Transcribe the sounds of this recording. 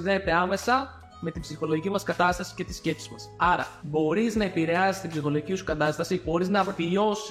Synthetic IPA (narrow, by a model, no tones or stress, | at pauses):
ðeet̪e̞ɐme̞sɐ | me̞t̪ibsixo̞loʝicimɐskɐt̪ɐst̪ɐsi̥ce̞t̪i̥sce̞psizmɐsɐɾɐ̰bo̞ɾiznɐe̞piɾe̞ɐsi̥st̪ibsixo̞lo̞ʝicisu̥kɐt̪ɐst̪ɐsibo̞ɾiznɐviʎo̞s